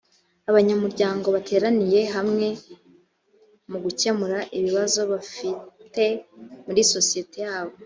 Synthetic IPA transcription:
aβaɲamuɾɟaːŋɡo̞βatʰe̞ːɾanije̞ɦamŋe̞ | muɡucamuɾaʔiβiβazo̞βafite̞muɾiso̞sije̞tejaːβo̞

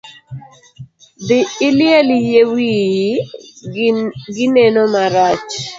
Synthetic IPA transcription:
dɪɪlɪɛlijewi | ɡɪnenomaɾat͡ʃ

